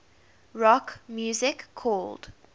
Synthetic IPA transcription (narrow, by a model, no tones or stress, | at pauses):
ɹɔkmjuːzɪkʰːɔːld̥